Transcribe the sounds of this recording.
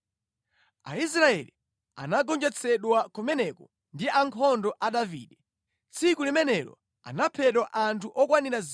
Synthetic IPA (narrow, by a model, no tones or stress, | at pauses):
a̰is̬ɾaɛ̰lḭ | a̰naɡɔnd͡ʒɛt͡sʰɛɗwakumɛnɛkɔ | ndiaŋkʰɔndɔʔaɗavḭːɗɛ | t͡sʰikulimɛnɛlɔ̰ | a̰napʰɛɗwaʔantʰuʔɔkwaniɾaz